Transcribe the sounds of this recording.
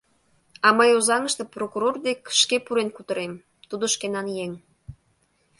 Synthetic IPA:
ɑməjozɑŋəʃt̪eprokuɾord̪ekʃkepuɾenkut̪ə̆ɾem | t̪ud̪oʃkenɑnjeŋ

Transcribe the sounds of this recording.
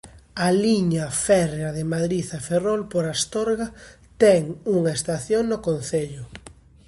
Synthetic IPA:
aliɲafɛreaðemaðɾiθaferolpoɾast̪oɾɣa | t̪ɛŋuŋaest̪aθjoŋnokonθeʎʊ

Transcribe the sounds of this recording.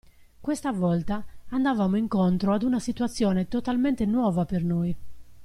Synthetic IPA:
kwest̪avɔlt̪aːnd̪avaːmoiŋkont̪ɾoad̪unasit̪uat̪sːjɔːnet̪ɔt̪almɛnt̪enwɔːvapernoi

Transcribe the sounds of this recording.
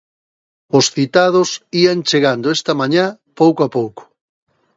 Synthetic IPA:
ʊsθit̪að̞ʊsiant͡ʃeɣand̪oest̪ɐmaɲapowkoapowko̥

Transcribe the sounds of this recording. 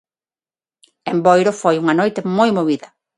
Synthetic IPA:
embojɾofojuŋɐnojt̪emojmoβiðɐ

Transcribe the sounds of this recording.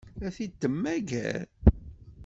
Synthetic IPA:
æθid̪ːəmːæɡæ̰ɾ

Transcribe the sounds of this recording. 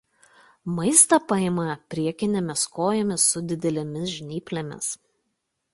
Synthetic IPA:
mɐɪst̪ɐpɐɪmɐpʲɾʲiɛkʲɪnʲɛmʲɪskoːjomʲɪsʊd̪ʲɪd̪ʲɛlʲemʲɪsʒʲnʲiːpʲlʲemʲɪ̰s

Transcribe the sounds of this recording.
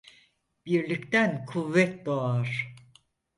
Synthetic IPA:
b̥iɾlʲict̪ænkʰuvːɛt̪̚d̪oaɾ̥

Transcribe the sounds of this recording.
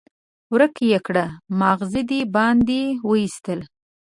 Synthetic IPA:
wɾəkjekɽamɑɣzid̪ibɑnd̪iwəist̪əl

